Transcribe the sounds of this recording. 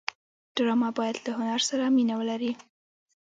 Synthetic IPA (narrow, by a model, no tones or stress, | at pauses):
ɖ̥ɾɑmɑbɑjad̪lahʊnaɾsaɾaminawəlaɾi